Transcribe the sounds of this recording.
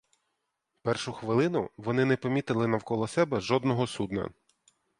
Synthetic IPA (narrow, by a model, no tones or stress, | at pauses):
pɛrʃʊxʋɪlˠɪnʊʋɔnɪnɛpɔmʲit̪ɪlˠɪnɐwkɔlˠɔsɛbɛʒɔd̪nɔɦɔsud̪nɐ̰